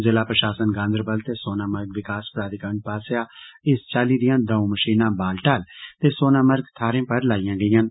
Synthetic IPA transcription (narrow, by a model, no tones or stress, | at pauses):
zɪlaːpɾəʃaːsənɡãːnd̪əɾbəlt̪eːsoːnaːməɾɡʋɪkaːspɾaːd̪ɪkəɳʈ̚paːsjaːɪst͡ʃaːliːd̪ɪjãːd̪əũməʃiːnãːbaːlʈaːlt̪eːsoːnaːməɾɡt̪ʰaːɾẽːpəɾlaːijãːɡəɪjaːn